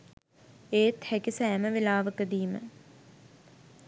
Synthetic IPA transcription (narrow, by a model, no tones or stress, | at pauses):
eːt̪hækisɛːməʋelaːʋəkəd̪iːmə̰